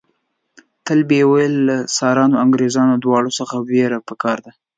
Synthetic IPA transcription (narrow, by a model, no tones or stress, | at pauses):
t̪əlbewajəlːasɑɾɑnoaŋɡɾezɑnod̪wɑɽosəxaweɾapəkɑɾd̪a